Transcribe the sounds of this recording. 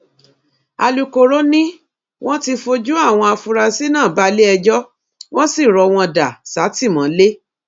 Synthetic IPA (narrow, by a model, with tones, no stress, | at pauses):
a˨˧lu˧ko˨ɾo˦nĩ˦ | w̃ɔ̃˦ti˧fo˧d͡ʒu˦a˦˨w̃ɔ̃˧a˧fu˧ɾa˧si˦nãː˦˨ba˨˦le˦ɛ˧d͡ʒɔ˦ | w̃ɔ̃˦si˦˨ɾɔ˨˧w̃ɔ̃˧da˨sa˨˦ti˦˨mɔ̃˨˦le˦